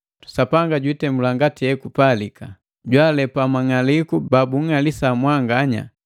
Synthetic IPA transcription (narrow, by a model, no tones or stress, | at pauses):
sapaŋɡaɟwitɛmulaŋɡatiɛkupalika | ɟwalɛpamaŋalikubabuŋalisamwaŋɡaɲa̰